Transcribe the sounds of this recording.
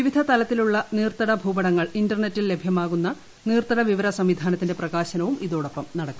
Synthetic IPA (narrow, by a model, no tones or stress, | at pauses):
ʋiʋid̪ʱɐt̪ɐlɐt̪ːiluɭːɐniːrt̪ɐɽɐbʱuːbɐɽɐŋːɐɭindɐrne̞tːilːe̞bʱjɐmaːɣunːɐ | niːrt̪ɐɽɐʋiʋɐɾɐsɐmʋid̪ʱaːnɐt̪ːinde̞prɐɣaːɕɐnɐʋumiðo̞ːɽopːɐmnɐɽɐkːu̥m